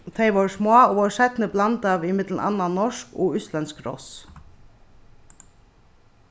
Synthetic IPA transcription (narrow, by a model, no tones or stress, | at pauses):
t̪ʰeɪʋɔɹsmɔaɔʋɔɹsɛt̪nəblɑnt̪aʋɪmɪt̪l̩nʔa̰nːanɔʂkɔ̰ʏslɛnskɾɔ̰s